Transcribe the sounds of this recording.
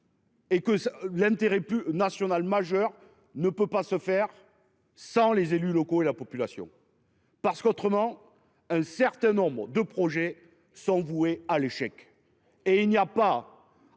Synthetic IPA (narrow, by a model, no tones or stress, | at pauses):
ekəslɛ̃t̪eʁɛpynasjɔnalmaʒœʁ | nəpøpasəfɛʁ | sɑ̃lezelylɔkoelapɔpylasjɔ̰̃ | paʁsə̥kɔt̪χəmɑ̃ | ɛ̃sɛʁt̪ɛ̃nɔ̃bʁəd̪əpχɔʒe | sɔ̃vuealeʃɛk | eilnijapa